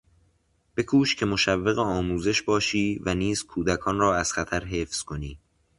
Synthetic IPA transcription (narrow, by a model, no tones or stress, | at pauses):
b̥e̞kʰuːʃcʰe̞mo̞ʃævːeɣeɒːmuːze̞ʃbɒːʃiːvæniːz̥kʰuːd̪ækʰɒːnrɒːæz̥xæt̪ʰæɾɦe̞ːfz̥kʰo̞niː